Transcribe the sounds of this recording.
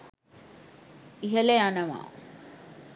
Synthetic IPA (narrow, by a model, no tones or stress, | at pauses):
iɦeleanɐʋa̰ː